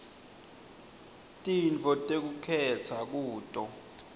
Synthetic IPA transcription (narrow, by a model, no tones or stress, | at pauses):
tʼint͡fɔtʼek̬ukʰɛt͡sʰak̬uːtʼɔ